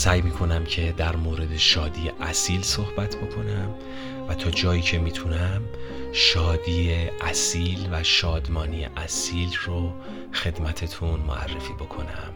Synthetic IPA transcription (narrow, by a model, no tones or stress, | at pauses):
sæːjmiːkʰo̞næmcʰe̞d̪æɾmoːɾe̞d̪e̞ʃɒːd̪ijeʔæsiːlsohbæt̪ʰbo̞kʰo̞næm | væt̪ʰɒːd͡ʒɒːjiːcʰe̞miːt̪ʰunæmʃɒːd̪iːeʔæsiːlvæʃɒːd̪mɒːnijḛʔæsiːlro | xe̞d̪mæt̪ʰet̪ʰunmoæ̰rːefiːbo̞kʰo̞̰næm